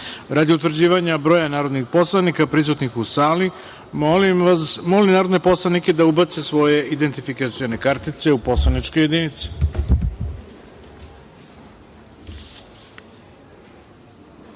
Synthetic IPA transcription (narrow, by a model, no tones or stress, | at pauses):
ɾad̪iut̪vr̩d͡ʑiːʋaɲabɾo̞ːjanaːɾod̪nixpo̞slˠanikapɾis̬ut̪nixusaːli | molinaːɾo̞d̪ne̞po̞slˠanike̞d̪aubat̪se̞sʋo̞je̞ʔid̪ent̪ifikat̪sijone̞kaɾt̪it̪se̞upo̞slˠanit͡ʃko̞je̞d̪init̪si̥